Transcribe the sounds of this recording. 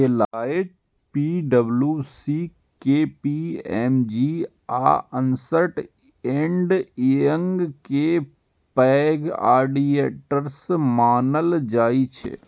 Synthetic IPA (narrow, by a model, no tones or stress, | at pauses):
elaːeʈ | piːɖəbljusi | kepiɛːmd͡ʒi | a̰ːənsəʈ | ẽːɳɖeə̃ŋɡke | pɛːɡa̰ːɾɖieʈəɾsmaːnəld͡ʒaːit͡ʃʰḛ